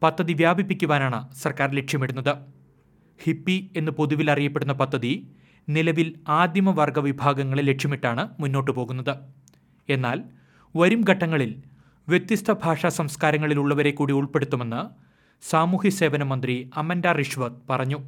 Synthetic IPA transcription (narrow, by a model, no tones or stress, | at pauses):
pɐd̪ʱːɐðiʋjaːbʱipːikʲːuʋaːnaːɳɨsɐrkaːɾle̞kʂjɐmiɽunːɐðɨ | hipːie̞nːɨpuðuʋilɐrijɐpːe̞ɽunːɐpɐd̪ʱːɐði | nilɐʋilaːd̪jɐmɐʋɐrɡɐʋibʱaːɡɐŋːɐɭile̞kʂjɐmiʈːaːɳɨmunːo̞ːʈːɨpo̞ːɣunːɐðɨ | e̞nːaːl | ʋɐɾumɡʱɐʈːɐŋːɐɭil | ʋje̞t̪ːjist̪ʰɐbʱaːʂaːsɐmskaːɾɐŋːɐɭiluɭːɐʋɐɾe̞kːuːɽiuɭpe̞ɽut̪ːume̞nːɨ | saːmuːhise̞ːʋɐnɐmɐnd̪riɐmɐndaːriʂʋɐt̪̚pɐrɐɲːu